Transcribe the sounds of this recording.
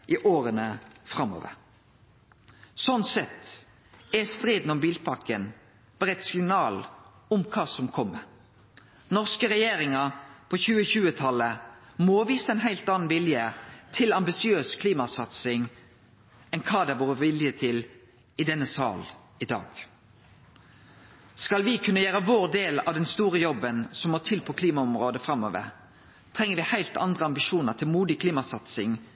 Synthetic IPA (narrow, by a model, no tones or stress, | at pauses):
ʔɪʔoːʁənəfɾɑmo̰ːʋə̰ɾ | sɔnsɛt̪ | ɛst̪ɾeːd̪n̩ɔmbiːlpʰɑkən | b̥əʁɛt̪sɪŋnɑːl | ʊmkʰɑːsɔmkʰɔmːə | nɔʁskəɾɛjeːɾɪŋəʁpʰɔçʉːəçʉːət̪ʰɑlːəmoʋiːsəɛnɦæɪlt̪ɑnn̩ʋɪljət̪ʰɪlɑmbɪsɪøːskʰliːmɑsɑt̪sɪŋ | ɛnkʰɑːd̪ɛæʋoːʁəʋɪljət̪ʰɪl | ɪd̪ɛnːəsɑ̰ːl | ɪd̪ɑ̰ːɡ̥ | skɑlʋɪkʰʉnːəjøːɾəʋoːʁd̪eːlɑʋd̪ɛnst̪uːɾəjɔbənsɔmoːʈ̪ʰɪlpʰɔkʰliːmɑɔmʁoːd̪əfʁɑmːo̰ːʋə̰ɾ | t̪ʰʁɛŋːəɾʋɪhæɪlt̪ɑ̰nd̪ʁəɑmbɪʃuːnəʁt̪ʰɪlmuːd̪ɪkʰliːmɑsɑt̪sɪŋ